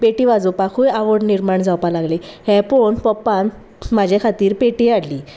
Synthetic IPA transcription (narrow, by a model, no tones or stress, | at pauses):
peʈiʋad͡zupakʰuːjaʋəɽniɾmaɳd͡zawpalaɡlehɛ̃poɳpəpːan | mad͡ʑʱekʰat̪iːɾpeʈiaɽliː